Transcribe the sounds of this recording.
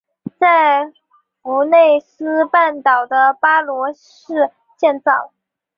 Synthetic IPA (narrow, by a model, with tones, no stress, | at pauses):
t͡sa˥˩ɪ | ku˧˥ne˥˩ɪsɹ̩˥pa˥˩nt̪ɑ˨˩ʊd̪ə˦pa˥lwɔ˧˥ʂɻ̩˥˧ | t͡ɕjɛ˥˧nt͡sɑ˥˩ʊ